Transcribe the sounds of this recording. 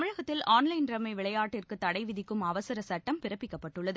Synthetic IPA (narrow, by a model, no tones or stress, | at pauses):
ɐmɪɻɐɣɐt̪ːɪlaːnlɐɪnɾɐmɐɪʋɪɭɐjaːʈːɪrkɯt̪ːɐɽɐɪʋɪðɪkːɯmɐʋɐsɐɾɐsɐʈːɐmpɪɾɐpːɪkːɐpːɐʈːɯɭːɐðɯ